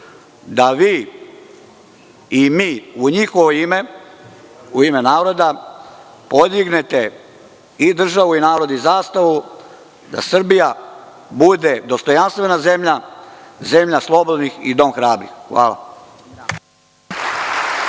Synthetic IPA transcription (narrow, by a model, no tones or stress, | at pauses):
d̪aʋiː | imiːuɲixoʋoime | uime̞naːɾo̞d̪a | po̞d̪iɡne̞t̪e | id̪r̩ʒaʋuinaːɾo̞d̪izaːst̪aʋu | d̪a̰sr̩bija | bud̪e̞d̪o̞st̪o̞janst̪ʋe̞naze̞mʎaze̞mʎaslˠo̞bod̪nixḭd̪o̞mxɾaːbɾḭxxʋa̰ːlˠa̰